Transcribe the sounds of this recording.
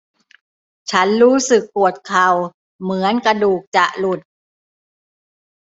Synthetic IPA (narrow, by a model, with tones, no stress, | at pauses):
t͡ɕʰa˦˥nɾuː˦˥sɯ˨˩kːu˨˩ət̪̚kʰa˨˩w | mɯ˩˦ənka˧duː˨˩k̚t͡ɕa˨˩ʔlu˨˩t̪̚